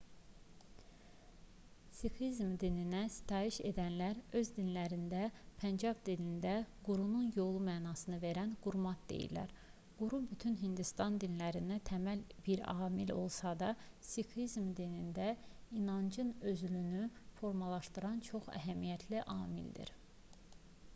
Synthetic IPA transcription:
sikizmd̪ininæsi̥t̪ʰɑːiʃe̞̰d̪ænlæɾø̞zd̪inlæɾind̪æpʰænd͡ʒɑvd̪ilind̪æɡuɾununjo̞lˠumæːnɑsɯnɯve̞ɾænɡ̥uɾmɑt̪̚d̪̥e̞̰jḭlːæ̰ɾ | ɡ̥uɾubyt̪ʰynɦind̪ist̪ɑnd̪inlæɾind̪æt̪ʰæmælb̥iɾɑ̰ːmilo̞̰lˠsɑd̪ɑsikʰlizmd̪inind̪æinɑnd͡ʒɯnøzylynyfo̞ɾmɑlˠɑʃt̪ɯɾɑnt͡ʃʰo̞χæ̰ɦæmijæt̪ʰliʔɑːmḭld̪ḭɾ

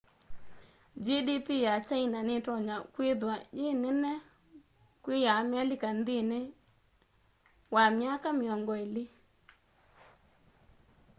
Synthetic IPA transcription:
d͡ʒidipijat͡ʃainanɪtɔɲakwɪðwad͡ʒenɛnɛ | kwɪjamalɪkand̪ɪne | wamjakamɪɔŋɡɔilɪ

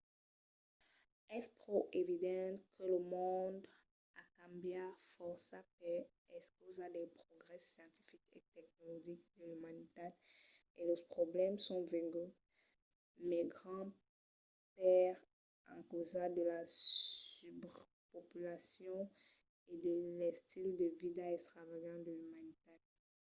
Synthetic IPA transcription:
ɛspχoʔevid̪ɑ̃t̪kʰələmɔ̃d̪ | akãbjafɔʁsapɛ | ɛskozad̪ɛpχɔɡʁɛsjɑ̃t̪i̥fikḛt̪ɛk̚nɔlɔʒikd̪̥əlymanit̪ɛ | eləpχɔblɛmsɔ̃vɛ̃ɡy | mɛɡʁɑ̃ | pɛʁ | ɑ̰̃kozad̪əlasybʁ | pɔpylasjɔ̃ | ed̪əlɛst̪ild̪əvidaɛkst̪χavajɑ̃d̪əlymanit̪ɛd

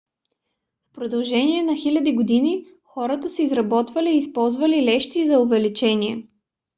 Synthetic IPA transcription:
fpɾod̪ɐlˠʒɛniɛnɐxilʲɐd̪iɡod̪ini | xɔɾət̪əsɛizɾɐbɔt̪vəliːspɔlˠzvɐlilɛʃt̪izɐʊvɛlit͡ʃɛniɛ

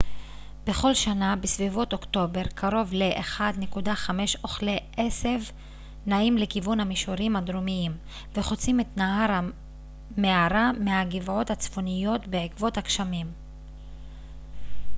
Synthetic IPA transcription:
b̥e̞χo̞lʃanabesvivo̞to̞kto̞be̞ʁkʰaɾo̞vleʔeχad̪ne̞kudaχame̞ʃo̞χleʔesev | naimlekivunhamiʃoɾimad̪ɾomiim | veχot͡simetnaɦaɾa | meaɾameaɡivʕo̞that͡sfo̞nijo̞tbeʕikvo̞thakʃamim

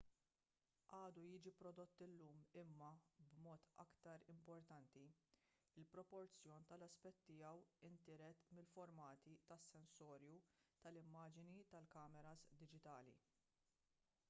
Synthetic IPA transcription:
ʔɐːd̪ujiːd͡ʒipɾɔd̪ɔt̪ːɪlːuːmɪmːɐbmɔːt̪ɐ̰kt̪ɐɾɪmpɔɾt̪ɐnt̪i | ɪlpɾɔpɔɾt͡sjɔːnt̪ɐlɐspɛt̪ːɪjɐwɪnt̪ɪɾɛt̪mɪlfɔɾmɐːt̪it̪ɐsːɛnsɔːɾjut̪ɐlɪmːɐːd͡ʒɪnit̪ɐlkɐːmɛɾɐzd̪ɪd͡ʒɪt̪ɐːlḭ

